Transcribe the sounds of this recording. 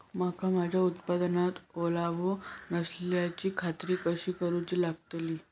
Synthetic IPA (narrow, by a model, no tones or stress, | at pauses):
makamad͡ʑʱjaut̪pad̪nat̪olaʋonəsljat͡ɕiːkʰat̪ɾiːkəɕiːkəɾuːt͡ɕiːlaɡ̚t̪liː